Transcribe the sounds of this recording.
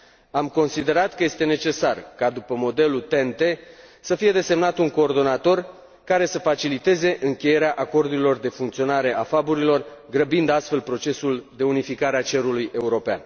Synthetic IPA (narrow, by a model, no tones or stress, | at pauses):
amko̞nsid̪e̞ɾat̪kəje̞st̪e̞net͡ʃe̞sarkad̪upəmo̞d̪e̞lut̪e̞nt̪e̞səfije̞d̪e̞se̞mnat̪uŋko̞ːrd̪o̞nat̪o̞r | kaɾe̞səfat͡ʃilit̪e̞ze̞ʔɨŋkʲe̞je̞ɾeaʔako̞rd̪uɾilo̞rd̪e̞fuŋkt̪sio̞naɾe̞ʔafabuɾilo̞rɡɾəbind̪ast̪fe̞lpɾo̞t͡ʃe̞suld̪e̞unifikaɾeat͡ʃe̞ɾuluje̞uɾo̞pea̰n